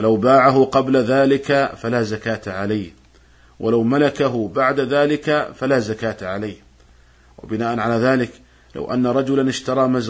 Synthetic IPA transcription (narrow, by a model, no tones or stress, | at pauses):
alawbaːʕaɦʊqɑblaðaːlɪkafalaːzakaːt̪aʕalajh | wʔalawmalakaɦʊbaʕd̪aðaːlɪkafalaːzakaːt̪aʕalaːh | wa̰bɪnaːʔanʕalaːðaːlɪk | la̰wʔa̰nːaɾˤɑd͡ʒʊlanɪʃt̪ɑɾˤɑːmaz